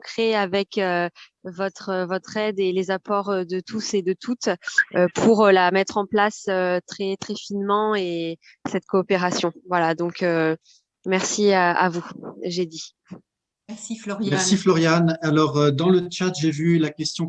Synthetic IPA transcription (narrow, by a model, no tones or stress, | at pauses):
kχeavɛkø | vɔt̪χəvɔt̪χɛd̪elezapɔʁød̪ət̪ʰused̪ət̪ʰut̪øpʰuʁølamɛt̪χɑ̃plasøt̪χɛt̪χɛfinmɑ̃e | sɛt̪kʰoːpeʁasjɔ̃vwalad̪ɔ̃kʰø | mɛʁsia̰vuʒed̪i | mɛsiflɔjmɛssiflɔʁjanalɔʁød̪ɑ̃lət͡ʃat̪ʒevylakʲɛst̪jɔ̃